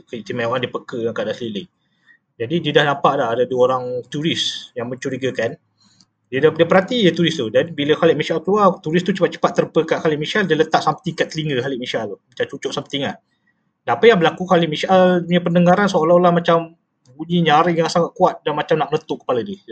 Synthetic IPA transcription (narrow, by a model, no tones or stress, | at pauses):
kət̪imaoʔandiəpəkəjaŋkaʔdaʔsəlilɪʔ | d͡ʒadidiədahnampaʔlaɦadaduəoɾaŋt̪uɾɪsjaŋməɲt͡ʃuɾiɡəkan | diədadiəpəɾɦat̪ijət̪uɾɪst̪udanbiləxaliʔmisʔalkəluart̪uɾɪst̪ut͡ʃəpat̪̚t͡ʃə̥pat̪ːəɾəpəkaʔkaliʔmiʃaldiələt̪aʔsamt̪ikaʔt̪ːəliŋɡəɦaliʔmiʃalt̪mat͡ʃamt͡ʃut͡ʃɔʔsampət̪iŋa | dapəjaŋbəlakuxalɪʔmiʃʔaluɲəpəndəŋaɾansoolalahmat͡ʃam | buɲiɲaɾɪʔjaŋsaŋaʔ̪̚kuat̪̚danmat͡ʃamnaʔ̚ənət̪uʔkːə̥paladiə